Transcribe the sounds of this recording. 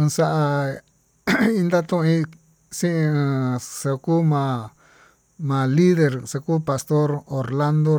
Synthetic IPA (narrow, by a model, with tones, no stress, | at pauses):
ɨ̃˧sa˦ʔa˧ | i˦˧nd̪a˦t̪ũ˧ʔĩ˦ | sĩ˦ʔĩ˧ɨ̃˧sa˧kuː˦mã˧ | mã˨˧li˦ðe˧ɾsa˧kuː˦pa˨st̪o˦ɾo˨ɾla˦nd̪o˦˧